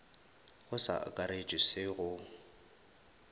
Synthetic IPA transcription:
ɣʊsa̰kʼaɾed͡ʒʼɪsɪɣʊ

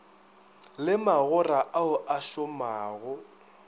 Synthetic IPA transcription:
lɪmaɣʊraʔaʊʔaʃʊmaːɣʊ

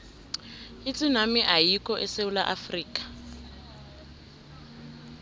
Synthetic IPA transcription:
it͡sʼinamɪʔajikʼɔʔɛseula̰ʔafriːkʼḁ

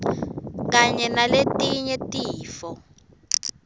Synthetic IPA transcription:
k̬aɲɛnaletʼiɲɛtʼiːfɔ

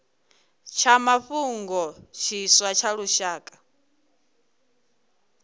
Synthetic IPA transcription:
t͡ʃʰamaɸuŋɡɔt͡ʃʰiswat͡ʃʰaɺuʃaːkʼḁ

